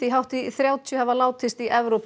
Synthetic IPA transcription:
iɦawht̪iθɾjaːwt̪ʰjʏhɛvalaːwt̪ʰɪst̪iʔɛvɾop

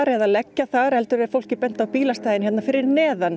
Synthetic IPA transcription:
ɾɛðalɛcːaθaɾɛlt̪ʏɾɛɾfowl̥cɪpɛn̥t̪awpiːlast̪ajðɪnçjɛt̪nafɪɾɪɾnɛːðan

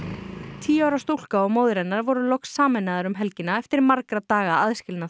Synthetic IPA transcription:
t̪ʰiːawɾawst̪ol̥kaɔɣmoːwðɾɛnːaɾvɔɾʏlɔksːaːmɛnaðaɾʏmɦɛlcɪnaɛft̪ɪɾmaɾkɾat̪aːɣaaðscɪlna

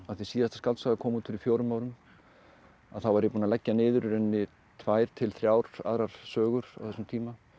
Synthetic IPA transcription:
aðθɪsiːðaðθɛt̪askalt̪saːɣakʰɔːmuːt̪fɪɾɪfjoːwɾʏmaːwɾʏm | a̰ðθawvaɾjɛpuːnalɛcːanɪːðʏɾʏɾɛnːɪ | t̪ʰvaːjɾ̥t̪ʰɪlθɾjawɾ̥a̰ðɾaɾ̥sœːɣʏɾ̥a̰wθɛsʏmt̪ʰiːma

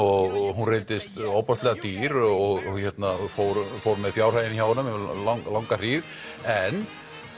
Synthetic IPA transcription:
ɔɣɦunreːj̪t̪ɪst̪oːwpast̪lɛɣat̪iːɾɔɣçɛt̪nafoːwɾfowɾmɛðfjaːwr̥hajɪniçaːwnʏmlaŋlawŋkariːð | ɛn

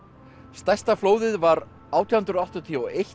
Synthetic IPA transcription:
st̪ajst̪afloːwðɪðvaɾ | aːwt̪ʰihʏnt̪ɾʏɔwht̪ɔt̪ʰiuejh

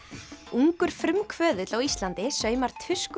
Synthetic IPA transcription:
uŋkʏɾ̥fɾʏmkʰvœːðʏt̪lawist̪lant̪ɪsœːɥmaɾ̥t̪ʰvʏsk

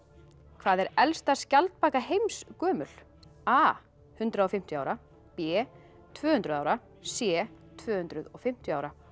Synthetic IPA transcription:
kʰv̥aːðɛɾɛlst̪ascalt̪̚paːkahejmskœːmʏl̥ | aː | hʏnt̪ɾaɔfɪm̥t̪ʏaːwɾa | pɛː | t̪ʰvœːhʏnt̪ɾʏðaːwɾa | sjɛːt̪ʰvœːhʏnt̪ɾʏðɔɣfɪm̥t̪jʏaːwɾa

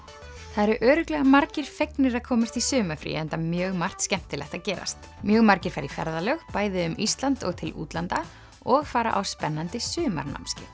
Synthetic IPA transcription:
θaðɛɾʏʔœːɾʏklɛɣamaɾcɪɾ̥fejknɪɾaðkʰɔːmast̪isʏːmafɾḭɛnt̪amjœːɣmar̥t̪scɛm̥t̪ɪlɛ̰xt̪aðcɛːɾa̰st̪ | mjœːɣmaɾcɪɾ̥faɾifɛ̰ɾðalœɣpaːjðɪʏmist̪lant̪ɔ̰ɣt̪ʰɪlṵːt̪lant̪a | ɔɣfaːɾa̰ʔawspɛnːant̪ɪsʏːma̰ɾna̰wmscɪ

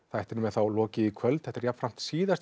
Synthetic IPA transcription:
θajht̪ɪɾnʏmɛθawlɔːcɪikʰvœlt̪̚θɛht̪ɪɾjap̪ːfɾam̥t̪siːðast̪

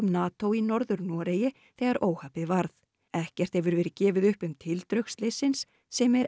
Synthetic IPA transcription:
mnaːt̪owinɔɾðʏɾnɔːɾeːjɪ | θɛːɣaɾʔoːwhaːpɪðvaɾθ | ɛhcɛr̥t̪hɛvʏɾvɛːɾɪcɛːvɪðʏhpʏmt̪ʰɪlt̪ɾœɥkst̪lesɪnsː | ɛmɛɾ

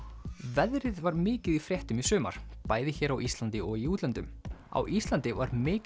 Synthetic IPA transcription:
vɛðɾɪðvaɾmɪːcɪðifɾjɛht̪ʏmisʏːma̰ɾ̥paːjðɪçɛːɾawʔist̪lant̪ɪʔɔɣiuːt̪lɛnt̪ʏ̰ma̰wʔist̪lant̪ɪvaɾmɪː

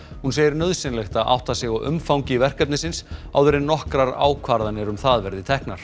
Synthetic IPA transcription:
hunseːjɪɾnœðsɪnlɛxt̪aʔa̰wht̪asɪɣɔɣʏ̰mfawɲcɪvɛr̥kɛp̚nɪsɪnsa̰wðɛɾɪnnːɔhkɾaɾa̰ːwkʰvaɾðanɛɾ̥unθaðvɛɾðɪt̪ʰɛhknaɾ̥

